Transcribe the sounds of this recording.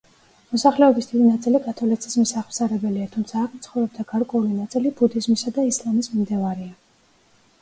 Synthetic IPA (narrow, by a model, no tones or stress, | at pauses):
mɔsaχlɛɔbisd̪id̪inat̪sʼilikʼat̪ʰɔlisʰismisaχmsaɾɛbɛliat̪ʰumt̪sʰaːkʰmt̪sʰχɔvɾɛbd̪aɡ̥aɾkʼwɛulinat̪sʼilibud̪izmisad̪aislˠamismimd̪ɛvaɾia